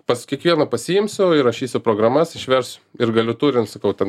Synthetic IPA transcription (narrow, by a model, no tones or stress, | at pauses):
pɐskʲiɛkʋʲiɛnɐpɐsʲijɪmʲsʲʊɪɾɐʃʲiːsʲʊpɾoːɡrɐmɐsɪʃʲʋʲɛɾsɪɾɡɐlʲʊt̪uːɾʲɪnsɐkɐʊt̪ʲɛn